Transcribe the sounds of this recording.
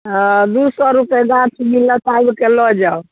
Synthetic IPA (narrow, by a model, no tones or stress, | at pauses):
d̪usɔɾupeɡãt͡ʃʰmilət̪ajbkelɔd͡ʒaw